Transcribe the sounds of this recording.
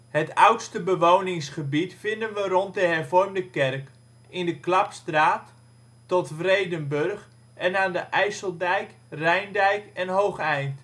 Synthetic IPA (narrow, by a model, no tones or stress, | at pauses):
hətʌwtstəbəʋownɪŋsχəbitfɪndənʋərɔnt̚dəɦɛrvɔrmdəkɛrk | ɪndəklɑpstraːtː | ɔtfrejdənbørχ | ʔɛnaːndəʔɛjsəlˠdɛjk | rɛjndɛjkɛnɦowχɛjnt